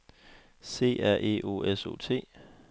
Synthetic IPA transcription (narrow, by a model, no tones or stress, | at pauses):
se̝̰ːæɐ̰ʔe̝̰ʔo̝̰eso̝ːt͡sʰe̝̰ː